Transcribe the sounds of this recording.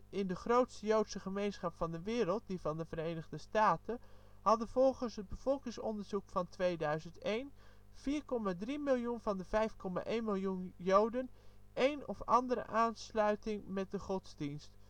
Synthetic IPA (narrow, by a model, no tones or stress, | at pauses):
ɪndəχrowtstəjowtsəχəmejnsχɑpfɑndəʋɪːɾəlˠt̚divɑndəvəɾejnəχdəstaːtə | hɑdəvɔlˠχənsɦəd̚bəv̥ɔlˠkɪŋsɔndəɹzukfɑntʋejdœɥzəntejn | v̥iːɹkɔmaːdrimɪlˠjunvɑndəvɛjfkɔma̰ʔejnmɪlˠjunjowdənʔejnɔfɑ̰ndəɾə̰ʔaːnslœɥtɪŋmɛt̚dəχɔtzdinst